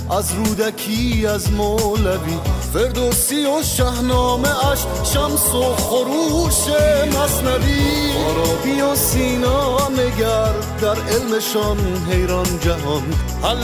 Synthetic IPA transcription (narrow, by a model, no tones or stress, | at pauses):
æzɾuːd̪ækʰiæzmɔːlævifeɾd̪osioʃæhnɔːmeæʃ | ʃæmsoχoɾuːʃemasnaviɔɾɔːbiosiːnɔːmeɡæɾ | d̪æɾelmeʃɔn | ɦejɾɔnd͡ʒaɦɔnhal